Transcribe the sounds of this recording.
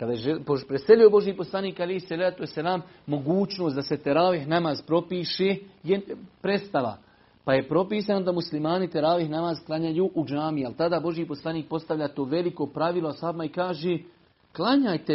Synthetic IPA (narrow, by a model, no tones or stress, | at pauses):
kad̪ajeʒepopɾeselio̞bo̞ʒjiːpo̞slˠaniːkalehsalaːt̪uesalaːmː | o̞ɡuːt͡ʃno̞ːsd̪ase̞t̪eɾaːʋiɦnamaːzpɾo̞piːʃeːjepɾe̞st̪aʋa̰ | paje̞pɾo̞piːsano̞d̪amuslimaːnit̪eɾaːʋihnamaːzklˠaɲajuːʔud͡ʒaːmialt̪ad̪aːbo̞ʒjipo̞slˠaniːk̚po̞st̪aʋʎaːt̪o̞ːʋe̞liko̞pɾaʋiːlˠoashaːbmaikaːʒeː | klˠaɲajt̪e